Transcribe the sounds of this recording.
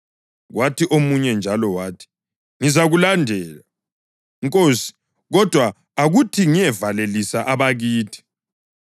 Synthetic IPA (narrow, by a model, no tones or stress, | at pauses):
ɣwatʰiʔomuɲɛnd͡ʒʱalɔwaːtʰi̥ | ŋizaɣulandʱɛːla | ŋkʼoːsi̥ | ɣɔd̥ʱwa | aɣutʰiŋijɛvalelisaʔaβaɣiːtʰi̥